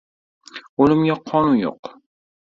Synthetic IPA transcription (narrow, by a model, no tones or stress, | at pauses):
ʊlɪmɡʲaqʰɒnunjo̰q